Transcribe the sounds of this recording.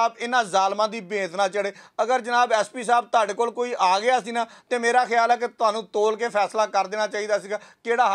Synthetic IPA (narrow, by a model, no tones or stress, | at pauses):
aːbɪnãːzaːlmãːd̪iːbẽːt̪ʰnãːt͡ʃəɽeːəɡəɾd͡ʒənaːbɛːspiːsaːb̚t̪ʊaːɖeːkoːlkoːiːʔaːɡɪjaːsiːnãːt̪eːmeːɾaːxɪjaːlɛːket̪ʊaːnũːt̪oːlkeːpʰɛːslaːkəɾd̪eːnaːt͡ʃaːiːd̪aːsiːɡaːkeːɽaː